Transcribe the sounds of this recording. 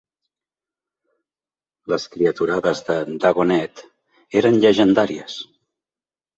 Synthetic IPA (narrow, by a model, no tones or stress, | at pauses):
ləskɾiət̪uɾaðəzðəd̪əɣonɛt̪ | eɾənʎəʒənd̪aɾiəs